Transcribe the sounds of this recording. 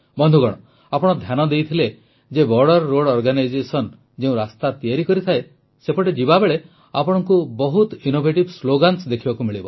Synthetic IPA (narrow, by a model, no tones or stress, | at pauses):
bɔnd̪ʱuɡɔɽ̃ɔ | apɔɽ̃ɔd̪ʱjanɔd̪ejt̪ʰile | d͡ʒebɔɾɽɔɾːoɽɔɾɡanajd͡ʒesɔn | d͡ʒeũɾast̪at̪ijaɾikɔɾit̪ʰae | sepɔʈed͡ʒibabeɭe | apɔɽ̃ɔŋkubɔɦut̪inobʱeʈibsloɡansd̪ekʰibakumiɭibɔ